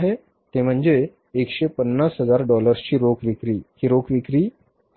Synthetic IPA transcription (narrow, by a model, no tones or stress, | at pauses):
ɦe | t̪em̤əɳd͡zeː | kɕepənːasɦəd͡zaɾɖɔləɾst͡ɕiːɾokʋikɾiːkiːɾokʰʋikɾiː